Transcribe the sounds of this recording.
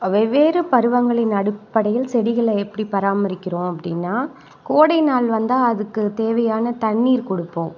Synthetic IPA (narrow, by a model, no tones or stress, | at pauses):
ɐʋɐʋeːɾɯpɐɾɯʋɐŋɡɐɭɪnɐɽɯpːɐɽɐjɪlsɛɽɪɣɐɭɛpːɐɽipɐɾaːmɐɾɪkʲːɪɾõːɐpːɐɽɪnːaː | koːɽɐɪnaːlʋɐnd̪aːɐðɯkːɯt̪eːʋɐjaːnɐt̪ɐɳːiːɾkɔɽɯpːõː